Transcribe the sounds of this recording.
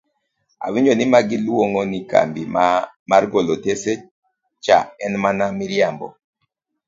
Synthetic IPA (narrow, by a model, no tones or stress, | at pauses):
a̰wiɲonimaɡiluoŋɔnika̰mbim | maɾɡolotese | t͡ʃa̰ɛnmanamiɾjambɔ̰